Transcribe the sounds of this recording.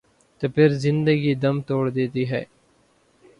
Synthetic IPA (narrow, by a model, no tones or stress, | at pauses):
t̪epʰɪɾzɪ̃nd̪əɡiːd̪əmt̪oːɽd̪eːt̪iːɦɛ̰ː